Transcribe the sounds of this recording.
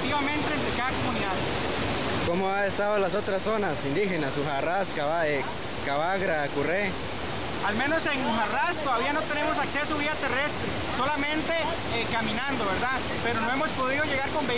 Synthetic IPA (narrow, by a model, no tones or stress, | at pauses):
t̪iβamẽ̞nt̪eːnt̪ɾekaðako̞muniðað | komoaest̪aðolas̬o̞t̪ɾasːonasind̪ixenasuxaraskaβae | kaβaɣɾakure | alme̞no̞se̞ŋxarast̪oðaβianot̪e̞ne̞mo̞s̬akse̞soβiat̪e̞re̞st̪ɾe | so̞lamẽ̞nt̪e̞ | kamĩnãnd̪o̞βe̞ɾða | pe̞ɾono̞emo̞spo̞ðiðoʝe̞ɣaɾko̞mbe